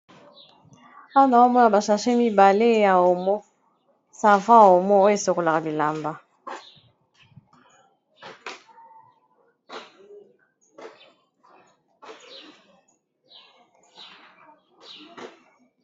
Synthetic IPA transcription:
a˦a˦na˨wo˦mɔ˦na˨ba˨ʃa˨ʃe˦mi˦ba˨le˦ja˨o˨mɔ˦ | sa˨vã˦a˨o˨mɔ˦o˦e˨so˨ko˨la˨ka˨bi˨la˨mba˦

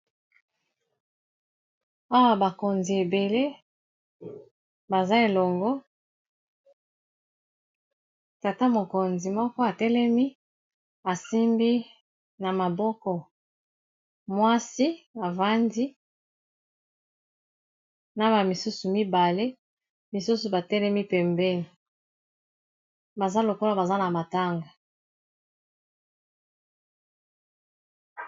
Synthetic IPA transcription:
a˦wa˦ba˨ko˨nzi˨e˨be˨le˦ | ba˨za˦e˨lɔ˨ŋɡɔ˦ | ta˨ta˦mo˨ko˨nzi˨mɔ˦kɔ˦a˨tɛ˦lɛ˦mi˦ | a˨si˦mbi˦ | na˨ma˨bɔ˦kɔ˨ | mwa˦si˦a˨va˦ndi˦ | na˦ba˨mi˨su˦su˨mi˦ba˨le˦ | mi˨su˦su˨ba˨tɛ˦lɛ˦mi˦pɛ˨mbɛ˦ni˨ | ba˨za˦lo˨ko˦la˨ba˨za˦na˨ma˨ta˦ŋɡa˨

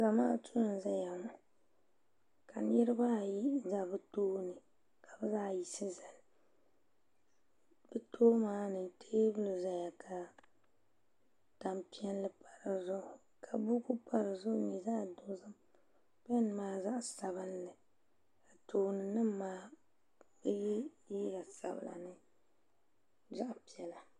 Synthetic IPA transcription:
za˨maː˦tu˦nɨ˨n˦za˦ja˨ŋʊ˨ | ka˨nɪ˦ɾɨ˦ba˦ji˦za˨bɨ˦toː˦nɨ˨ | kʰa˨bɨ˦zaː˦ji˨sɨ˦za˨l | bɨ˦tʰoː˦maː˦nɨ˨tʰeː˦bɨ˦lu˨za˨ja˨kʰa˨ | ta˨mpi˦ɛ˦llɨ˦pa˨ɾɨ˨zʊ˦ʔʊ˨ | kʰa˨bu˦ku˦pa˨ɾɨ˨zʊ˦ʔʊ˦ni˨za˦˨dʊ˦˨˦zɨ˦m | pɛ˦n˨maː˨˦za˦ʔsa˨bɨ˦nlɨ˨ | ka˨tʰoː˨nɨ˨nɨ˦m˦maː˦ | bɨ˦jɛ˦ | ji˦la˨sa̰˨bɨ̰˨la̰˨nɨ˦ | za˦ʔpi˨ɛ˨la˨

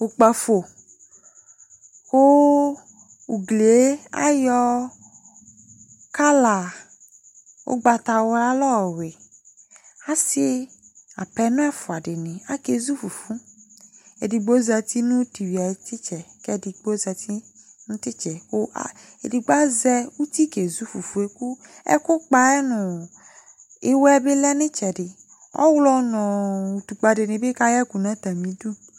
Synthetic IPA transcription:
u˨k͡pa˨fo˨ | wo˦ | u˨ɡle˨e˦a̰˦jɔ˦ | ka˦la˨ | wo̰˦ɡ͡ba˨t̪a˨wɔ˨˦ɾa˦lɔ˦˨we˨ | a˦si˦a̰˨pɛ˨˦nẽ˦a˦fo˨a˨ɖe˨nĩ˨a˦ke˦zu˦fu˨fu˦ | e˨di˨ɡ͡bo˦za˨t̪i˦nʊ̃˦ti˨wi˨a˨e˨t̪ɪ˦t͡ʃɛ˨kɛ˦˨di˨ɡ͡bo˦za˨t̪i˦nʊ̃˦t̪ɪ˦t͡ʃɛ˨o˦ʔa˦˨ | ḛ˨di˨ɡ͡ba˦zɛ˦wu˦t̪i˦ke˨zu˦fu˨fu˨e˦ku˦ɛ̰˦kʊ˦k͡pa˨˦ɛ˦nʊ̃˨ | e˦wɛ˦be˦lɛ˦nɪ̃˦t͡ʃɛ˨ɖɪ˨ | ɔ̰˦wlɔ˦nɔ̃˨wu˨t̪u˨k͡pa˨dɪ˨nɪ̃˨be˦ka˦jɛ˦ku˨nã˦t̪a˨mĩ˨˦du˦

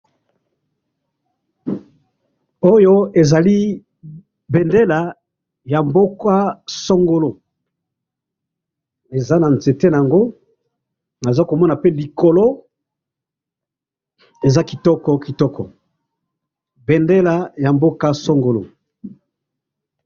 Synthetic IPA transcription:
o˦jo˦e˨za˨li˦ | be˨nde˦la˨ | ja˨mbo˦ka˦sɔ˦ŋɡo˨lo˨ | e˨za˦na˨nze˨te˦na˨a˨ŋɡo˦ | na˨za˦ko˨mɔ˦na˨pe˦li˨ko˨lo˦ | e˨za˦ki˨tɔ˦kɔ˨ki˨tɔ˦kɔ˨ | be˨nde˦la˨ja˨mbo˦ka˦sɔ˦ŋɡo˨lo˨

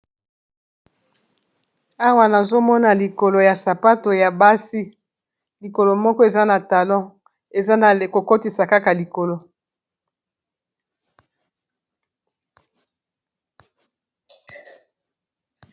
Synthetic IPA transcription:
a˦wa˦na˨zo˦mɔ˦na˨li˨ko˨lo˨ja˨sa˨pa˦to˨ja˨ba˦si˦ | li˨ko˨lo˨mɔ˦kɔ˦e˨za˦na˨ta˨lɔ̃˦ | e˨za˦˨ko˨ko˦ti˨sa˨ka˦ka˨li˨ko˨lo˨

